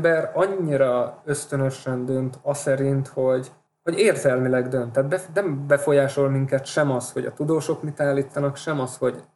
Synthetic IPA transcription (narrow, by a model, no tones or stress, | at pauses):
bɛrɒɲːiɾɒø̞st̪ø̞nø̞ʃɛnd̪ø̞nt̪ɒsɛɾint̪ho̞ɟ | ho̞ɟeːrzɛlmilɛɡd̪ø̞nt̪ːaːt̪̚bɛfnɛmbɛfo̞jaːʃo̞lmiŋkɛt̪ʃɛmɒsho̞ɟɒ̰t̪ud̪oːʃo̞kmit̪aːlːiːt̪ːɒnɒkʃɛmɒsho̞ɟ